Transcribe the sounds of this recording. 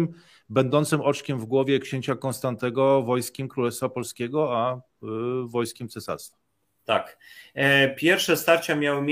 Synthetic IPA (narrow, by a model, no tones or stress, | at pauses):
m | bɛnd̪ɔnt̪sɘmɔt͡ʂkʲɛmvɡwɔvʲjɛkɕeɲt͡ɕakɔnst̪ant̪ɛɡɔvɔjskʲɛmkɾulɛsfapɔlskʲɛɡɔa | vɔjskʲɛmt̪sɛsa̰ɾst̪fa | t̪ak | pʲjɛɾfʂɛst̪aɾt͡ɕamʲjawɘmʲ